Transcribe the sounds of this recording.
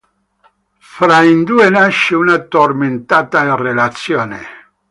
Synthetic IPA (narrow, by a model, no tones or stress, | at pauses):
fɾaind̪uenaʃeunat̪orment̪at̪arelat̪sjoːnḛ